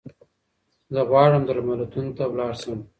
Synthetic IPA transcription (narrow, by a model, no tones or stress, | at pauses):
zəɣwɑɽəmd̪əɾmalat̪unt̪awlɑːɽsəm